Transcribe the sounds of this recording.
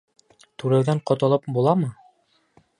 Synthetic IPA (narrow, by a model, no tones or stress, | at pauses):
t̪ʉɾæwðæɴqŏt̪ɤ̆lˠɤpbulˠɑmɤ